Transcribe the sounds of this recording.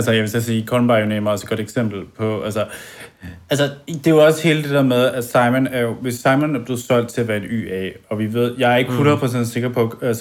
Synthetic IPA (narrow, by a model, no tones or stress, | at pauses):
ælsəjæʋesæsiːkʰɒlmb̥ɑ̈jonemɑɒ̽sed̥ɡ̥ɒ̽ɾ̥eɡ̥sem̰b̥l̩pʰɒ̽ʔælsə | ælsəd̥e̝oɒ̽she̝ːləd̥e̝d̥eɐmeð̞ˠæsɑ̈ɪmonæɐjo̝ʋe̝sːɑ̈ɪmonæɐb̥le̝ð̩ˠsɒ̽l̰d̥̚t͡sʰe̝æʋæɐe̝dy̰ːɛɒ̽ʋiʋe̝ð̞̰ˠjɑ̈ɪæɐe̝ɡ̥əpʰulɐpʰʁɒsen̥se̝ɡ̥ɐpʰɒ̽æs